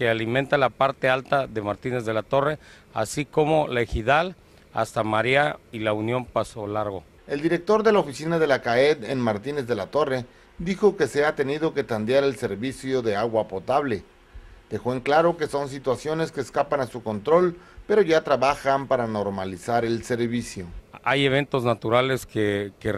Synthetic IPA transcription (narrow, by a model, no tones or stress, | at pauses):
kealimẽnt̪alapaɾt̪e̞alt̪aðe̞maɾt̪ine̞zðe̞lat̪o̞re̞ | a̰siko̞mo̞lexiðal | a̰st̪amaɾiailaunjo̞mpaso̞laɾɣo | e̞ld̪iɾe̞k̚t̪o̞ɾðe̞laofisinaðe̞lakae̞d̪enmaɾt̪ine̞zðe̞lat̪o̞re̞ | d̪ixo̞ke̞seat̪e̞nið̞o̞ke̞t̪and̪jaɾe̞lse̞ɾβisjo̞ðe̞aɣwapo̞t̪aβle̞ | d̪̥e̞xoeŋklaɾo̞ke̞so̞ns̬it̪wasjo̞ne̞ske̞ːskapanasuko̞nt̪ɾo̞lpe̞ɾo̞ʝat̪ɾaβaxampaɾano̞ɾmalisaɾe̞lse̞ɾβisjo̞aje̞β̞e̞nt̪o̞znat̪uɾale̞skeke